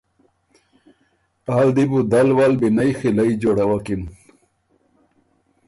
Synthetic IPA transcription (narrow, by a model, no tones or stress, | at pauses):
aːld̪ibud̪alwalbinajxilaid͡ʑoɽawakin